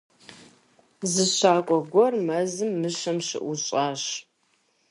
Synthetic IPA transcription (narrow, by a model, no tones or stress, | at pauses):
zɨɕaːkʷʼɔɡʷɔrmɐzɨmːɨʃɐmɕɪ̰ʔʷuɕʼaːɕ